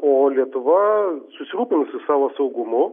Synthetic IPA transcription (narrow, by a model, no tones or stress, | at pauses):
oːlʲiɛt̪ʊʋɐsʊsʲɪɾuːpʲɪnsʊsɑːʋoːsɐʊɡʊmʊ